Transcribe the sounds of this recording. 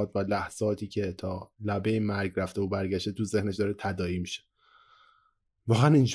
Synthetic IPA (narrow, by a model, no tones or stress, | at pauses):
t̪vælæhz̥ɒːt̪ʰiːcʰe̞t̪ʰɒːlæbe̞jemæɾɡræft̪eobæɾɟæʃt̪et̪uze̞hneʃd̪ɒːɾet̪ʰæd̪ɒːiːmiʃe̥ | vɒːɣæænind͡ʒ